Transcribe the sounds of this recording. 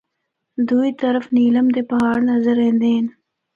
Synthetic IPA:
d̪uit̪ɐɾəfniːlɐmd̪epaɦɑːɽnazaɾeːnd̪eːn

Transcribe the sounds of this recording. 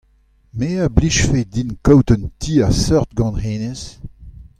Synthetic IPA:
meːabliʃfed̪inkɔwt̪əntʰiːasœʁt̪ɡɑ̃nheːnes

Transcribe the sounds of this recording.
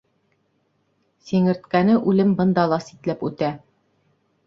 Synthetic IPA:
siŋɘ̆ɾt̪kænɘʔʉlɘmbɤ̆nd̪ɑlˠɑsit̪læpʉt̪æ

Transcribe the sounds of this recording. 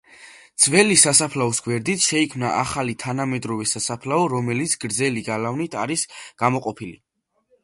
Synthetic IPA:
d̪z̥vɛlisasapʰlaɔsɡwɛɾd̪it̪ʰʃɛikʰmna̰ʔaχalit̪ʰanamɛd̪ɾɔvɛsasapʰlaɔɾɔmɛlit̪sʰɡɾd̪zɛliɡalavnit̪ʰaɾisɡ̥amɔqʼɔpʰilḭ

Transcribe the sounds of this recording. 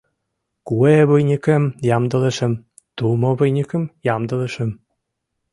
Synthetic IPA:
kueβujnʲikĕmjɑmd̪ɤ̆leʃĕm | t̪umoβɤjnʲikə̆mjɑmd̪ɤ̆lĕʃĕm

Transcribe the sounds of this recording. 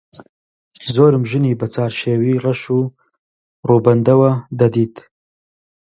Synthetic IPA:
zoːɾɨmʒɨniːbɐt͡saːɾʃeːwiːrɐʃuː | ruːbɐnd̪ɐwɐd̪ɐd̪iːt̪ʰ

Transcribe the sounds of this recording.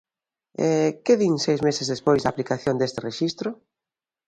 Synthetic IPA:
ɛkeðiŋsejzmesezðespojzðaplikaθjond̪est̪ɪreʃist̪ɾʊ

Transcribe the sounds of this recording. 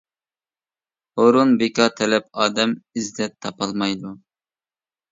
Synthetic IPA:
oɾunbekʰʲɑt̪ʰɛlɛp̚ɑːd̪ɛmɪzd̪ɛt̪ʰːɑpɑlˠmɑjd̪u

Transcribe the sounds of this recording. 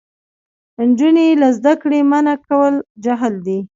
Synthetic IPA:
nd͡ʒunelazd̪akɽemanakawəld͡ʒaɦəld̪i

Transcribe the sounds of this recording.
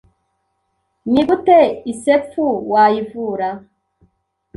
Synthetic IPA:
niɡuteisefuwaːjivuːɾa

